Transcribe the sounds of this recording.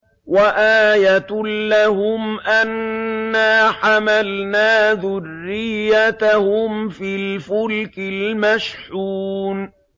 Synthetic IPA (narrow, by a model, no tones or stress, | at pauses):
waʔaːjat̪laɦʊmʔanːaːħamalnaːðʊrːɪjːat̪ahʊmfiːlfʊlkɪlmaʃħuːn